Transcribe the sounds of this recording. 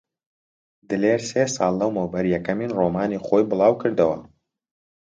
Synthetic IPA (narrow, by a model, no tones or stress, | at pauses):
d̪ɨleːɾseːsɑːlˠːɐwmɐwbɐɾjɛkɐmiːnroːmaːniχoːjbɨlˠɑːwkɨɾd̪ɐwɐ̰